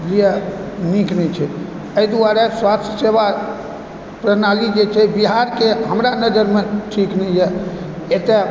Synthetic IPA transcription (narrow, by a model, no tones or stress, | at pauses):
lijeniknɛt͡ʃʰɛ | əjd̪uaɾeswast̪ʰjəseba | pɾənalid͡ʒet͡ʃʰɛbiɦaɾkeɦəmɾanəd͡ʒəɾmeʈʰiknɛjjɛ | et̪e